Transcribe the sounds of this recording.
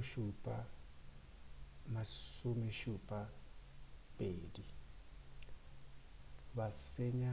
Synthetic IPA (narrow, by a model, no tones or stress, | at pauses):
ʃupʼa | masʊmeʃupʼa | pʼeːdi | baseɲa